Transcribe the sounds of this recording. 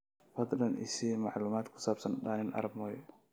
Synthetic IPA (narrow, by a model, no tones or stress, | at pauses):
fɐd̪lɐnʔɪ̰simɑʕluːmaːd̪kʰʊ̥saːbsɐnɗaːnɪnʔɐ̰ɾɐb̚mɔjɔ